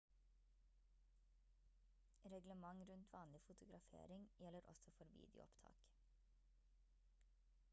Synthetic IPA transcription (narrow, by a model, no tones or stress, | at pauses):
ɾɛɡləmɑŋɾʉnt̪ʰʋɑːnlɪfʊt̪ʊɡɾɑfḛːɾɪŋjɛləɾʔɔ̰sɔfɔɾʋḭːd̪ɪʊ̰ɔpt̪ʰɑ̰ːk